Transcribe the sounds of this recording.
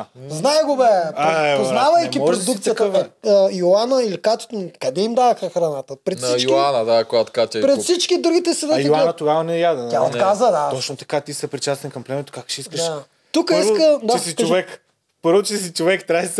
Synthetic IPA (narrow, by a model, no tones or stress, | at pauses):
znajɡʊbɛaɾɛoznnavɐjkʲimɔpɾɾod̪ukt̪ijətk̪ɐɛjoanəilikat̪o̥t̪nkɐd̪ɛimd̪avɐxɐxɾɐnat̪əpɾɛt̪sit͡ʃokanəd̪akojat̪kat̪ʲapɾɛt̪fsit͡ʃkid̪ɾuɡʲit̪ɛsɛd̪ɐj̪oanət̪oɡavɐnɛjad̪ɛd̪t̪ʲaot̪kazəd̪at̪ɔt͡ʃnot̪ɐ̥kat̪isɛpɾit͡ʃast̪ɛnkɐmplɛmɛt̪o̥kak̚ʃɛiskəʃ | t̪ukəiskəd̪t͡ʃɛsit͡ʃovɛk | pəɾvot͡ʃɛsit͡ʃovɛkt̪ɾas